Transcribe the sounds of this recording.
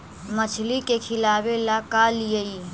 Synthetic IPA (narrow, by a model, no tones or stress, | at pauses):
mət͡ʃʰlikekʰɪlaːwelakalijəi